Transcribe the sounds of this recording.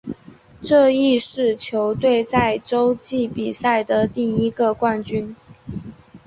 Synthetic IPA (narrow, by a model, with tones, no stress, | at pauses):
ʈ͡ʂɤ˥˧i˥˧ʂɻ̩˥˩t͡ɕʰjo˧˥ʊt̪we˥˧ɪt͡sa˥˩ɪʈ͡ʂo˥ʊt͡ɕi˥˩pi˨˩sa˥˩ɪd̪ə˩t̪i˥˩i˥ɡə˨kwa˥˩nt͡ɕy˥n